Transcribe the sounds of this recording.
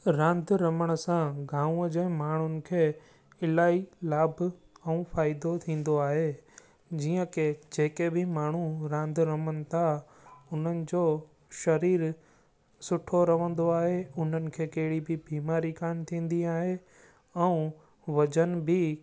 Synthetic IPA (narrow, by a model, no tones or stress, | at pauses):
ɾãːnd̪ʱɾɐməɽ̃sãɡʱãːũəd͡ʑẽːmaːɳ̤ʊnɪ̆kʰeː | ɪlaːilaːbʱ | ɛ̃faːɪd̪ot̪ʰĩːn̆d̪oaːɦe | d͡ʑiːə̃ked͡ʑeːkebɪmaːɳ̤uɾãːnd̪ʱɾəməɽ̃ɪt̪ʰa | ʊn̤ənɪ̆d͡ʑoː | ʃɐɾiːɾ | sʊʈʰoɾɐʋə̃nd̪oaːɦeʊn̤ənɪ̆kʰeːkɐɦɪɽibɪbiːmaːɾikaːnt̪ʰĩːn̆d̪iaːɦe | ɛ̃ũ | ʋɐd͡ʑənbɪ